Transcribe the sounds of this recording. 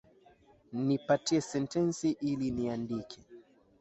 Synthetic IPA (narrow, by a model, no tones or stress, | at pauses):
nipatiɛsɛntɛnsiʔiliniandikʰɛ̥